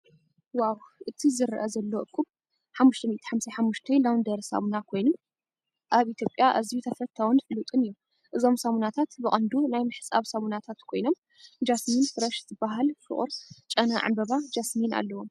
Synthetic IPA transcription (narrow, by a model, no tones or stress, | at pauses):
wawʔɨt̪ʰizɨɾʔɐzɐlːoʔɨkʰʼːuβ | ħamːuʃt̪ʰɐmit̪ʰi̥ħamsɐħamːuʃt̪ʰɐjlawnd̪ɐɾsa̰munakʰo̞jnum | ʔaβit̪ʰjopʼjaʔɐzijut̪ʰɐfɐt̪ʰːawnfɨlːut̪ʼɨnɨjːu | ʔɨzo̞msamunat̪ʰat̪bɨχʼɐnd̪unajmɨħɨ̥sʼaβsɐmunat̪ʰat̪kʰo̞jno̞m | d͡ʒasminfɨɾɐʃzɨbaɦalfɨ̰χʼṵɾt͡ʃʼɐnɐʕa̰mbɐβad͡ʒasmina̰lːɐwom